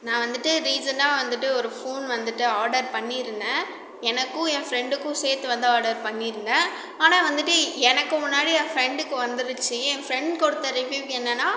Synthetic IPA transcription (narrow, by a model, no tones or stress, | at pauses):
nãːʋɐnd̪ɯʈːɯɾiːd͡ʒɐnaːʋɐnd̪ɯʈːɯɔɾɯfoːnʋɐnd̪ɯʈːɯaːɾɖɐɾpɐɳːiɾɯnd̪ɐ̃ | ɛnɐkːʊ̃ɛ̃fɪɾɛɳɖɯkːʊ̃seːɾt̪ːɯʋɐnd̪ɐaːɾɖɐɾpɐɳːiɾɯnd̪ɐ̃ | aːnãːʋɐnd̪ɯʈːɯɛnɐkːɯ̃mʊnːaːɽiãːfɪɾɛɳɖɯkːɯʋɐnd̪ɯɾɯt͡ʃːɯɛ̃ːfɪɾɛɳɖkɔɽɯt̪ːɐɾɪʋjuːʋɛnːɐnaː